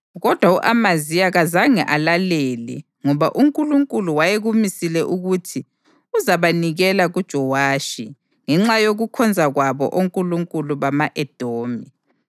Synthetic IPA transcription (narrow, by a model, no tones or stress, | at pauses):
ɣɔd̥ʱwauʔamazijaɣazaŋɛ̰ʔalalɛːlɛ̰ | ŋɔβaʔuŋkʼuluŋkʼuluwajeɣumisilɛʔuɣutʰi | uzaβaniɣɛlaɣud̥ʒ̥ʱɔwaːʃi | ŋɛŋ͡ǁajoɣukʰɔnd͡zʱaɣwaβɔ̰ʔoŋkʼuluŋkʼuluβamaʔɛd̥ʱoːmi